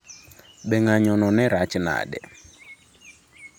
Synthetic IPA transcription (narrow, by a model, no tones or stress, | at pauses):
ɓɛŋaɲɔnɔnɛɾat͡ʃna̰ɗɛ̰